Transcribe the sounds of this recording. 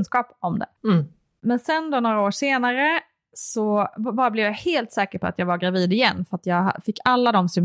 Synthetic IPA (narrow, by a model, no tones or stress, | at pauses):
nskɑːpɔmd̪ɛ̰ | mɛnsɛnd̪onoːɾaoːʂeːnaɾə | sɔbɑːɾablɛvjaheːlt̪sɛːkəɾpʰɔa̰t̪jɑːɡvaɾɡɾaviːd̪ɪjɛnːfœɾat̪jɑːɡa̰fɪkːalːad̪ɔmsʏm